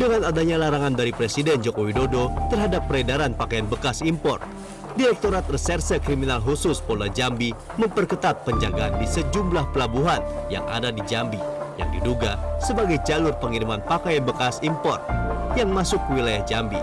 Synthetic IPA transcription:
dəŋanadaɲalaɾaŋandaɾipɾesidɛnd͡ʒokowidodot̪ərɦadapːəɾedaɾanpakajanbəkasimpɔ̰rt̪̚ | diɾɛk̚t̪oɾat̪̚rəsɛrsəkɾiminalɦusʊspolad͡ʒambi | məmpərkət̪at̪̚pəɲd͡ʒaɡaandisəd͡ʒumblahpəlabuɦanja̰ŋa̰dadid͡ʒambija̰ŋdiduɡasəbaɡajd͡ʒalʊrpəŋiɾimanpakajanbəkasimpɔr̚jaŋmasʊkwilajahd͡ʒambi

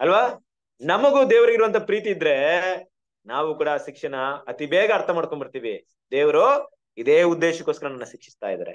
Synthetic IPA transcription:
ɐlʋaː | nɐmɐɡud̪eːʋɐɾɐɡiɾuʋɐnt̪ʰɐpɾiːt̪iːd̪ɾe̞ | naːʋukuːɽɐʃikʂɐnɐːt̪ibɛːɡɐːɾt̪ʰɐmaːɽko̞ɳbiɾt̪iːʋi | d̪eːʋɐɾo | id̪eːud̪ːeːʃɐkːoskɐɾɐnɐnːuʃikʂi̥st̪a̰ːjid̪ɐ̰ɾḛ

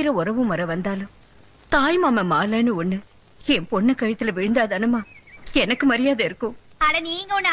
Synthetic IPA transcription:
ɪɾɐɔɾɐʋɯ̃mɐɾɐʋɐnd̪aːlʊ̃m | t̪aːjmaːmɐmaːlɐːnɯɔɳːɯ | ɛmpɔɳːɐkɐjɐt̪ːɪlɐʋɪɻɯnd̪aːðɐɐnɯmaːɛnɐkːɯmɐɾɪjaːðɐɪɾɯkːʊ̃ɐnɐniːŋɡɐɔn

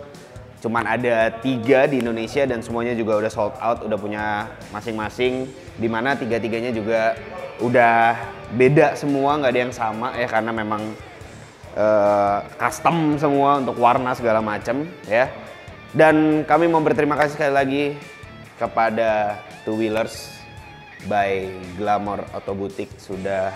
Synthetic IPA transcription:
t͡ʃumanadat̪iɡadiːndonesiadansəmuaɲad͡ʒuɡaudahsɔlt̪̚a̰wt̪udahpuɲa | masɪŋmasɪŋ | dimanat̪iɡat̪iɡaɲad͡ʒuɡaudahbedaʔsəmuaŋɡaːdajaŋsamajakarənamemaŋ | ʔəːkast̪əms̬əmuaunt̪ʊkwarnasəɡalamat͡ʃəmja | dankamimaubərt̪əɾimakasisə̥kalilaɡi | kəpada | t̪uwilərs | bajɡlamɔro̰t̪obut̪ɪk̚sudah

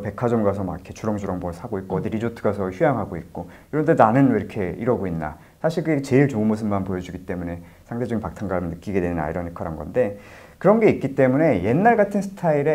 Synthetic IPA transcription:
pe̞kʰad͡ʑʌmɡas̬ʰʌmaɡikʰet͡ɕʰuɾʌŋd͡ʑuɾʌŋbosʰaɡoik͈̚oʌdiɾid͡ʑotʰɯɡasʰʌçjujaŋɦaɡoik̚k͈okiɾʌndenanɯniɾʌkʰe̞ḭɾʌɡoinːa̰ | sʰaɕʰiɭkɯiket͡ɕe̞iɭt͡ɕomɯs̬ʰɯmːanpojʌd͡ʑuɡit͈e̞mune̞ | sʰaŋded͡ʑʌɡinpak̚tʰaŋɡaɾɯnɯk͈iɡe̞dwe̞nna̰iɾʌnekʰaɾanɡʌ̰nde̞ | kɯɾʌnɡe̞ik͈it͈e̞mune̞je̞nːaɭɡatʰɯnsʰɯ̥tʰaiɾe

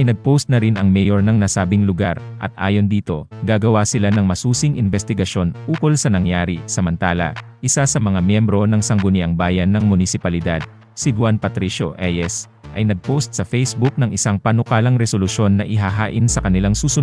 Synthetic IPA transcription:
ʔɐjnɐɡ̚post̪̚nɐɾinɐŋmɛjoɹnɐŋnɐsaːbɪŋlʊɡaɾʔɐ̰t̪̚ʔa̰ːjo̞nd̪iːt̪o̞ɡaːɡɐwasɪlanɐŋmɐsuːsɪŋɪnbɛst̪ɪɡɐʃjo̞nʔuːko̞lsɐnɐŋjaːɾɪsɐmɐnt̪aːlɐ̰ʔɪsasɐmɐŋamjɛmbɾo̞nɐŋsɐŋɡʊnɪʔɐŋbaːjɐnːɐŋmʊnɪsɪpɐlɪd̪ad̪̚ | sɪd̪ʊwanpɐt̪ɾiʃo̰ʔɛjɛs | ʔɐjnɐɡ̚powst̪̚sɐfɛjsbʊk̚nɐŋʔɪsaŋpɐnʊkaːlɐŋɾɛsolʊʃjo̞nːɐʔɪɦaɦaːʔɪnsɐkɐnɪlaŋsuːsʊn

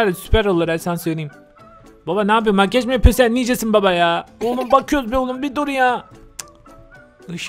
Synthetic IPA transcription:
ɾsy̥pæɾolˠːaɾɛsansøjlʲejim | babanaːp̬ijomaɟɛt͡ʃmejɛpʰøsɛnid͡ʒesinbabajaonunbakʰɯjoɾuzbijolˠumbid̪oɾuja | ɯʃ

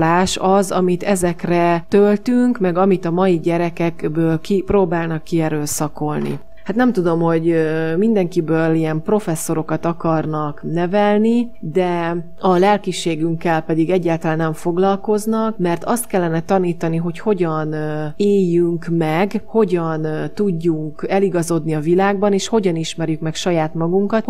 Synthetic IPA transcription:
laːʃɒzɒmit̪ɛzɛkrɛt̪ølt̪yŋkmɛɡɒmit̪ɒmɒjiɟɛɾɛkɛkbøːlkiproːbaːlnɒkːiɛɾøːsɒko̞lnḭ | hat̪nɛmt̪ud̪o̞mho̞ɟmind̪ɛŋkibøːliɛmpro̞fɛsːo̞ɾo̞kɒt̪ɒkɒrnɒknɛvɛlnid̪ɛ | ɒlɛlkiʃeːɡyŋkːɛlpɛd̪iɡɛɟːaːlt̪ɒlaːnːɛɱfo̞ɡlɒlko̞znɒkmɛrt̪ɒst̪̚kɛlːɛnɛt̪ɒniːt̪ɒniɦo̞cho̞ɟɒneːjːyŋkmɛɡho̞ɟɒnt̪uɟːuŋkɛliɡɒzo̞d̪niɒvilaːɡ̚bɒneːʃho̞ɟɒniʃmɛrjykmɛkʃɒjaːt̪mɒɡuŋkɒt̪

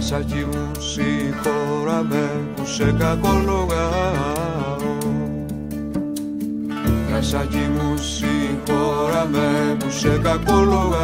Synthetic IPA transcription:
sad͡ʒimũsikoɾamɛbusekakoloɣa | o | asad͡ʒimũsikoɾamɛbusekakoloɣa

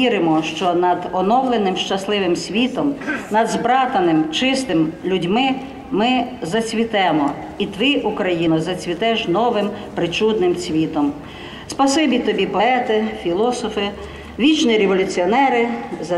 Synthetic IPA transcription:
iɾɪmɔʃt͡ʃɔnɐd̪ɔnɔwlˠenɪmʃt͡ʃɐslˠɪʋɪmsʲʋʲit̪ɔmnɐd̪zbɾɑt̪ɐnɪmt͡ʃɪst̪ɪmlʲʊdʲmɪ | mɪzɐsʲʋʲit̪ɛmɔ | it̪ʋɪʔukɾɐjinʊzɐsʲʋʲit̪ɛʒnɔʋɪmpɾɪt͡ʃud̪nɪmt͡sʲʋʲit̪ɔm | spɐsɪbʲit̪ɔbʲipɔɛt̪ɪfʲilˠɔsɔfɪ | ʋʲit͡ʃnʲiɾeʋɔlʲʊt͡sʲiɔnɛɾɪz

